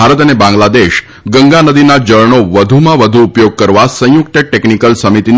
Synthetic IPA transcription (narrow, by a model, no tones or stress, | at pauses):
aɾət̪ənebãŋɡlad̪eʃ | ɡəŋɡanəd̪inad͡ʒəɭɳoʋəd̪ʱumãʋəd̪ʱuːpjoɡ̚kəɾʋasə̃jʊk̚t̪əʈeknikəlsəmit̪in